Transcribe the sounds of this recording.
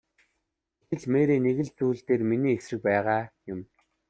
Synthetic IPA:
et̪ɘ̆ɮmeːɾeːneɣɘ̆ɮt͡suːɮt̪eːrminiːeksrɘ̆k̚pæːʁaːjʊm

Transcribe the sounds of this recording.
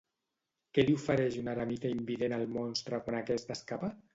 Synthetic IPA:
kɛliufəɾɛʃunaɾamit̪aimbiðenalˠmonst̪ɾakwanakɛst̪əskapa

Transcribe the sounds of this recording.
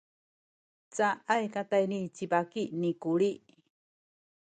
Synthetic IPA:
t͡saʔajkat̪ajnit͡sibakinikuɭiʔ

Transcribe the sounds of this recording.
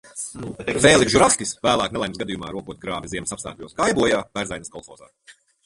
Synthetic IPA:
peːlˠiɡʒuɾaskʲisvæːlˠaːknɛlˠɛjmsɡad̪ijuma̰ːɾuɔkuɔt̪̚ɡɾaːvʲiziɛmsapst̪a̰ːklʲuɔsɡajbuɔjaːvæɾzajnskɔlˠxɔ̰ːza̰ː

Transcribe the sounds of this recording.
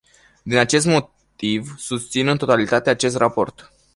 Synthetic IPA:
d̪inat͡ʃe̞st̪mo̞ | t̪ivsust̪sinɨnt̪o̞t̪alit̪at̪e̞at͡ʃe̞s̬t̪rapo̞̰rt̪

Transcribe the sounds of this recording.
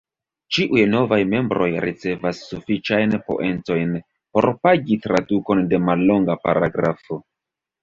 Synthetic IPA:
t͡ʃiʔujno̞vajme̞mbɾo̞jɾit͡se̞vasːufit͡ʃajnpo̞̰ʔe̞nt͡so̞jn | po̞̰ɾpaɡitɾaduko̞nde̞malːo̞ŋɡapa̰ɾa̰ɡɾafo̞

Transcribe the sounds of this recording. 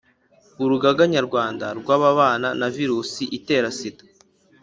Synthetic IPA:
βuɾuɡaɡaɲaɾɡwaːndaɾɡwaβaβaːnanaviɾuːsiʔite̞ːɾasitḁ

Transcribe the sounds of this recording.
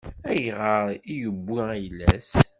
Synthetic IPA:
æjʁəɾijəbːiæjəlːæ̰s

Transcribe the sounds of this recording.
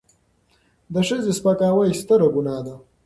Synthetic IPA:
d̪əʂɐzespɐkaːwajst̪ɐɾɐɡunaːd̪a

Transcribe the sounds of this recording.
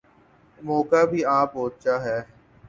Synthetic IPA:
mɔːkabʱiːãːpoːtt͡ʃaɦɛː

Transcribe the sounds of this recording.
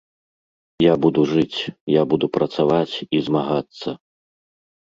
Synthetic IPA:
jabud̪uʐɨt͡sʲjabud̪upɾɐt̪savat͡sʲizmaɣat̪sːɐ

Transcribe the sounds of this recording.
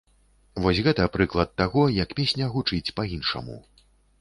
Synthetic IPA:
vɔsʲɣɛt̪ɐpɾɨklˠɐt̪ːaɣɔjɐkpʲesʲnʲɐɣut͡ʂɨt͡sʲpɐjinʂɐ̰mṵ

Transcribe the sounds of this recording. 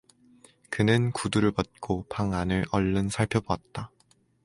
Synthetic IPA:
kɯnɯnkuduɾɯɭpʌt̚k͈opʰaŋanɯɭʌɭːɯnsʰaɭpʰjʌboat̚t͈a

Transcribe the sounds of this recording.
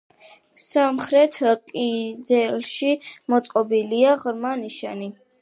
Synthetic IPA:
samχɾɛt̪ʰkʼid̪ɛlʃimɔt̪sʼqʼɔbiliaʁɾmaniʃani

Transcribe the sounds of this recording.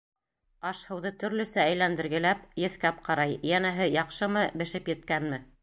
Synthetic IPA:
ɑʃhɤ̆wðɤt̪ɵ̆ɾlɵ̆sææjlænd̪ɘ̆ɾɡɘ̆læpjɘ̆θkæp̚qɑɾɑjjænæɦɘjɑqʃɤmɤbɘ̆ʃɘpjɘ̆t̪̚kænmɘ

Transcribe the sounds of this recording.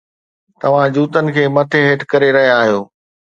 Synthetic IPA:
t̪ɐʋ̤ãd͡ʑuːt̪ənɪ̆kʰeːmɐt̪ʰeɦeːʈkɐɾeɾɐɦijaːɦijoː

